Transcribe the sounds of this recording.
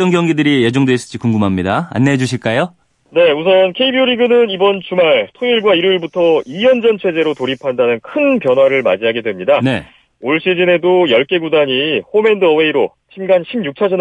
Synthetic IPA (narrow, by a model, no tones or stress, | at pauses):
t͈ʌnɡjʌŋɡidɯɾije̞d͡ʑoŋdwes͈ɯ̥ɕ͈ikuŋɡumɦamɲidaa̰nːe̞d͡ʑuɕʰiɭk͈ajo | ne̞usʰʌnkʰeibiuɾiɡɯnɯnibʌnt͡ɕumaɭtʰoiɭɡwaiɾiɭbutʰʌijʌnd͡ʑʌnt͡ɕʰe̞d͡ʑe̞ɾotoɾipʰandanɯnkʰɯnpjʌnɦwaɾɯɭma̰d͡ʑiɦaɡe̞dwe̞mɲidane̞̰ | oɭɕ͈id͡ʑine̞dojʌɭk͈e̞ɡudaɲiɸome̞ndɯʌwe̞iɾo | t͡ɕʰimɡanɕʰimjuk̚t͡ɕʰad͡ʑʌn